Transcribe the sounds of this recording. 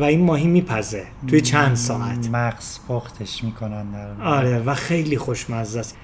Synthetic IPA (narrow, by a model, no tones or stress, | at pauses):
væinmɒːɦiːmiːpʰæzet̪ʰujet͡ʃʰænd̪sɒːʔæt̪ʰmæɡsfoxt̪ʰeʃmiːkʰonænd̪æɾɒːɾevæxe̞jliːxo̞ʃmæzːæs